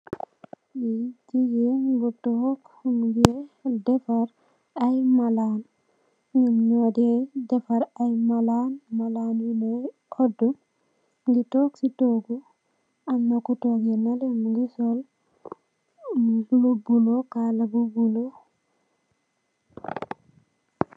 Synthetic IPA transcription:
jid͡ʒijiɡutokhunɡedefaɾ | ajmalan | ɡiɲodedɛfaɾajmalanmalaːnjimu | odu | ɡitoːksitoːɡu | amːakutoɡenalemɡisol | lubulokalabubulo

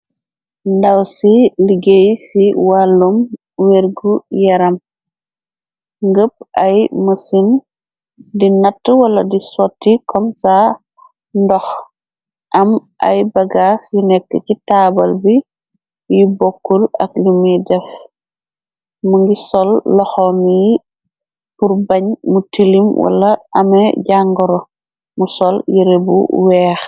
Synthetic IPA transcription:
ndawsiliɡejsiwalːum | weɾɡujɐɾɐm | ŋɡəp̚ɐjməsin | dinɐtːəwɐlɐdisɔtːikʰɔmsa | ndɔx | ʔɐmʔɐ̰jbɐɡaːsjinɛkːəcitaːbɐlbi | jibokːulɐ̰klumidɛf | muŋɡisɔlːɔxɔmiji | puɾbɐɲmutilimwʔɐ̰lɐɐmɛɟaŋɡɔɾɔ | musɔljiɾebṵwɛːx

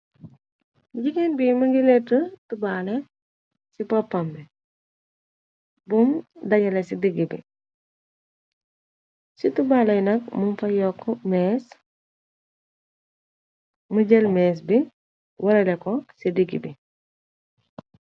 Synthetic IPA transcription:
ɟikenbimɐŋɡilɛtətubaːlɛ | sipɐpːɐmbi | bumdɐɲɐlɛsidiɡibḭ | situbalɛjnɐk̚mumfɐjɔkːmɛːs | məɟɛlmɛːs̬bi | wɐɾɛlɛkɔsidiɡḭbi

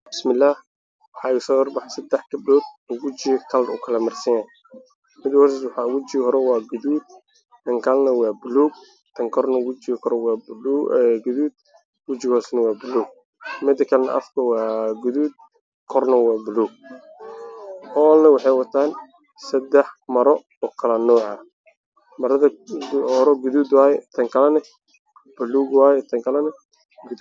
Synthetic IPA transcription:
bɪsmɪlːaːh | wɑħɑɛsɔːd̪ɐrbɑħsɐd̪ɛħkɐbdɔːd̪̚wʊt͡ʃɪkʰɐlʊkʰɐlɐmɐrsɐjaːn | mɪd̪ɪwɔɾsswɑħɑwʊt͡ʃɪhɔɾɛwɑːɡʊðuːd̪̚ | t̪ʰɐŋkʰalnɐwɑːbʊluːɡ̚ | t̪ʰɐŋkʰɔrnɐwʊt͡ʃɪkʰɔɾɛw | ɡʊðuːd̪̚ | wʊt͡ʃɪɣɔːsnɐwɑːbʊluːɡ̚ | mɪd̪ɐkʰɐlɛnɐ̰ʔɐ̰fkʰɐwɑːɡʊðuːd̪̚ | kʰɔrnɐwɑːbʊluːɡ̚ | hɔːlnɐwɑħɑjwɐt̪ʰaːn | sɐd̪ɛħmɐɾɔ | ɔkʰɐlɐnɔːʕɑ | mɐɾɐðɐɔːɾɔɡʊðuːd̪waːjɛt̪ʰɐŋkʰɐlɐnɐ | b̥ʊluːɡwaːjɛt̪ʰɐŋkʰɐlɐnɐ | ɡ

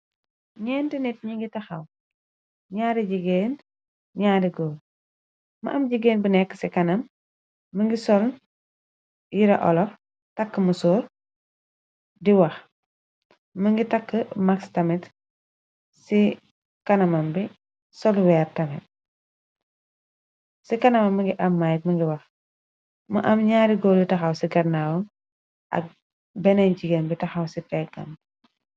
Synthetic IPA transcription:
ɲɛːntinɛt̚ɲiŋɡitɐxɐw | ɲaːɾiɟiɡeːn | ɲaːdiɡoː | mɐ̰ʔɐmɟiɡeːnbənɛkːə̥sikɐnɐmː | əŋɡisɔl | jiɾɐʔɔ̰lɔf | tɐkːəmusɔːr | diwɐx | mɐŋɡitɐkːəmakstɐmɛt | si | kɐnɐmɐmbi | sɔlwɛːrtɐmɛt̚ | sikɐnɐmɐmːəŋɡiʔɐmːajt̚mɐŋɡiwɐx | mɐʔɐmɲaːɾiɡɔːlitɐxɐwsiɡɐɾnawɐm | ʔɐ̰k̚ | bɛnɛnd͡ʒiɡenbitɐxɐwsifɛɡ̚ɐ̰m

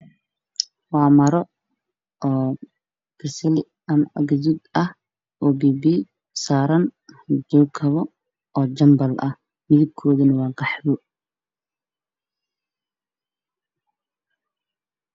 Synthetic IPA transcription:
wɑːmɐɾɔ | ʔɔː | ɡ̥ɪsɪlɪ | ɐmɐʔɐɡɐðud̪ɐh | ʔoːbiːbi | saːɾɐnd͡ʒɔːkʰɐβɔ | ɔːd͡ʒɐmbɐlʔɐh | mɪðɪb̚kʰɔːðɐnɐwɑːɡɑħbɔ

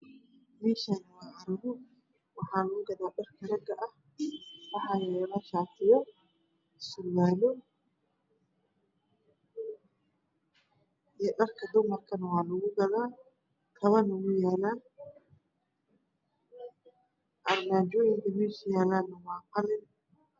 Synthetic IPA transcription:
mɛːʃanwaaɾɪɣʊ | wɑħɑːlʊɣʊɡɐðaːɖɐrkʰɐɾɐɡɐʔɐh | wɑħɑːjɛlɐt͡ʃaːt̪ʰɪjɐ | sʊwaːlɔ | ijɔɖɐrkʰɐd̪ʊmɐrkʰɐnɐwɑːlʊɣʊɡɐðaː | kʰɐβɐnʊɣʊjaːlaː | ʔɐrmaːd͡ʒɔːjɪŋkʰɐmɛːʃɪjaːlaːnɐwɑːqɑlɪn

